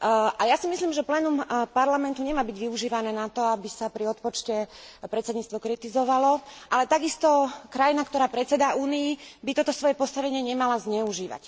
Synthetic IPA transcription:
ʔajasimisliːmʒɛplɛːnumpaɾlamɛnt̪uɲɛmaːbiɟʋiuʒiːʋanɛːnat̪ɔabisapɾiɔt̪̚pɔt͡ʃcɛpɾɛt̪t͡sɛd̪ɲiːt͡st̪ʋɔkɾit̪izɔʋalɔʔalɛt̪aɡist̪ɔkɾajinakt̪ɔɾaːpɾɛt͡sɛd̪auːnijibit̪ɔt̪ɔsʋɔjɛpɔst̪aʋɛɲɪɛɲɛmalazɲɛuʒiːʋa̰c

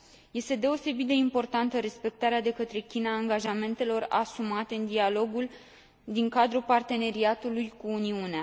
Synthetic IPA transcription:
je̞st̪e̞d̪e̞o̞se̞bit̪̚d̪e̞impo̞rt̪ant̪əɾe̞spe̞k̚t̪aɾead̪e̞kət̪ɾe̞kʲinaːŋɡaʒame̞nt̪e̞lo̞ra̰sumat̪eɨnd̪ialo̞ɡul | d̪iŋkad̪ɾupart̪e̞ne̞ɾiat̪ulujkuːniunea

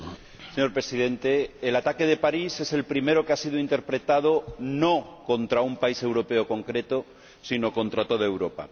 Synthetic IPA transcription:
seɲo̞ɾpɾe̞sið̞ẽ̞nt̪eːlat̪ake̞ð̞e̞paɾise̞se̞lpɾime̞ɾokeasiðoint̪e̞ɾpɾe̞t̪að̞onokõ̞nt̪ɾaumpaise̞wɾo̞pe̞okõ̞ŋkɾe̞t̪o | sino̞kõ̞nt̪ɾat̪o̞ð̞ae̞wɾo̞pa̰

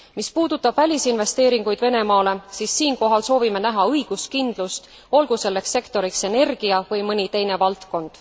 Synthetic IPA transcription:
mispuːd̪ut̪ːˑɑb̥vælʲisinve̞st̪e̞ːɾiŋɡ̥ujd̪̥ve̞ne̞mɑːle̞siːsːiːnko̞ɦɑlso̞ːvime̞næɦɑɤjɡ̥uskind̪̥lust̪ | o̞lɡuse̞lːe̞ksːe̞kt̪o̞ɾikse̞ne̞rɡ̥iɑvɤjmɤnʲit̪e̞jne̞vɑlt̪ko̞nd̪̥

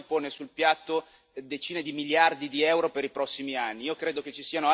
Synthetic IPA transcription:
poːnesulpjat̪ːo | d̪et͡ʃiːned̪imiljard̪id̪iɛwɾopeɾipɾɔsːimianːiiːokɾeːd̪oket͡ʃːisiːanoa

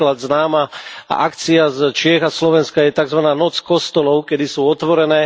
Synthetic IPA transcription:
lad̪znaːma̰akt͡siazt͡ʃɪɛɣaslɔʋɛnskajɛt̪aɡzʋanaːnɔt͡skɔst̪ɔlɔʊkɛd̪isuːɔt̪ʋɔɾɛnɛː

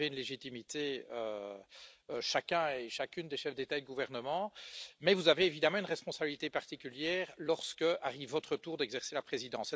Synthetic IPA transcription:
eynleʒit̪imit̪eø | ʃakʲɛ̃eʃakʲynd̪eʃɛfd̪et̪aed̪əɡuvɛʁnəmɑ̃mɛvuzaveːvid̪amɑ̃ynʁɛspɔ̃sabilit̪epaʁt̪ikʲyljɛːʁlɔʁskəʔaʁivːɔt̪χət̪uːʁd̪ɛɡzɛʁselapχezid̪ɑ̃sɛ

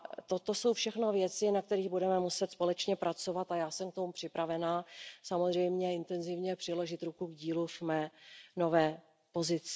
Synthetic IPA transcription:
t̪o̞t̪o̞so̞wfʃɛxno̞vjɛt͡sɪnak̚t̪ɛɾiːɣbudɛmɛmusɛt̪spo̞lɛt͡ʃɲɛpɾʔat͡so̞vat̪ajaːsɛmk̚t̪o̞mupr̝̥ɪpɾavɛnaːsamozr̝ɛjmɲɛɪnt̪ɛnzɪvɲɛpr̥ɪlo̞ʒɪt̪ɾukuɡɟiːluvmɛːno̞vɛː | po̞zɪt͡s

